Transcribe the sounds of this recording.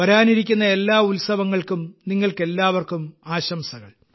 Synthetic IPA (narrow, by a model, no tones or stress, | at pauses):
ɐɾaːniɾik̬ʲːunːɐe̞lːaːulsɐʋɐŋːɐɭkumniŋːɐɭke̞lːaːʋɐrkumaːɕɐmsɐɣɐ̰ɭ